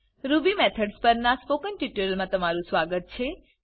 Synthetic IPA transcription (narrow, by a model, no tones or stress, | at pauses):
ɾubimet̪ʰəɖspəɾnaspokənʈiʈɾəlmãt̪əmaɾũsʋaɡət̪̚t͡ʃʰe